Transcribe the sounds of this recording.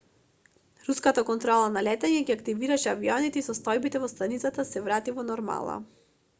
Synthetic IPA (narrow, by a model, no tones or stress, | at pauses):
ɾuskat̪akɔnt̪ɾɔlˠanalɛt̪ɛɲɛɡiakt̪iviɾaʃɛaviɔnit̪ɛisɔst̪ɔjbit̪ɛvɔst̪anit̪sat̪asɛvɾat̪ivɔnɔɾma̰lˠa̰